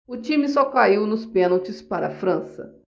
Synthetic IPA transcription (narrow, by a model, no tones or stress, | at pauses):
ʊt͡ʃĩmɪsɔkaiwnʊspẽnowt͡ʃɪspaɾɐ̰fɾɐ̃sɐ̰